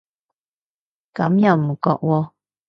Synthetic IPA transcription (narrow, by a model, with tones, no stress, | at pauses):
ka˨˦m˦ja˦˨mːə˨kɔ̰˦˨ʔwɔ˦